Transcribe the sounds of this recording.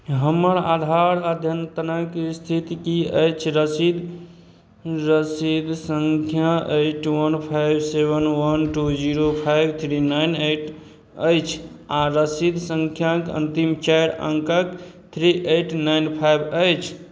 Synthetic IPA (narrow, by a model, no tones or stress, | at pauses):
ɦəmːəɾad̪ʱaɾad̪ʱjənt̪ənəkst̪ʰit̪ikiəjt͡ʃʰɾəsid̪ | ɾəsid̪səŋkʰjaʔejʈwənpʰajbʱsebənwənʈud͡ʒiɾopʰajbʱt̪ʰɾinaɪneʈ | ə̰jt͡ʃʰ | aɾəsid̪sə̃ŋkʰjakə̰nt̪imt͡ʃajɾə̰ŋkək | t̪ʰɾiʔeʈnaɪnpʰajbʱəjt͡ʃʰ